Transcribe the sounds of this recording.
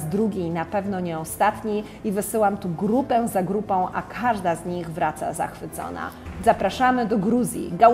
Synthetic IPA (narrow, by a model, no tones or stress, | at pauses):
zd̪ɾuɡʲejnapɛvnɔɲɛɔst̪at̪ɲij | ivɘsɘwamt̪uɡɾupɛzaɡɾupɔ̃w̃ʔa̰kʰaʐd̪azɲiɣvɾat̪sa̰za̰xfɘt̪sɔ̰na̰ | zapɾaʂamɘd̪ɔɡɾuzʲjḭɡa